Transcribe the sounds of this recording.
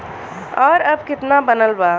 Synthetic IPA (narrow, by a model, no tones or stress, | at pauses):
ɔːɾəbkɪt̪nabənəlba